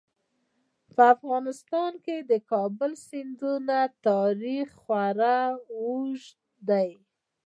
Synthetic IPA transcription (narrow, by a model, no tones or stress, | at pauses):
pəafɣɑnɪst̪ɑnked̪əkɑbəlsɪnd̪unat̪ɑɾixːwaɾawuʒ | d̪aj